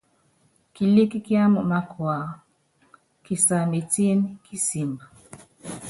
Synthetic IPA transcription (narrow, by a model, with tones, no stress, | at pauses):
ki˨li˦ki˦ki˦a˦mɔ˨ma˦kʰwa˨ | ki˨sa˨me˨ti˦n˦kʰi˦si˨ma˨